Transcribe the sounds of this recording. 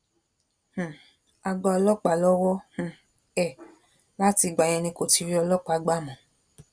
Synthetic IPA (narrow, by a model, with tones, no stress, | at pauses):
h̩˨ | a˧ɡ͡ba˧ɔ˧lɔ˦k͡pa˨lɔ˦wɔ˦h̩˨ | ɛ˦˨ | la˦ti˧ɡ͡ba˨ɲ̃ɛ̃˧nĩ˧ko˨ti˧ɾi˦ɔ˧lɔ˦k͡pa˨˦ɡ͡ba˦˨mɔ̃˨